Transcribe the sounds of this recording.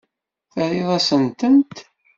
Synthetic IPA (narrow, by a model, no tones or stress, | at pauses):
θəɾiðˤɑsənt̪ənt̪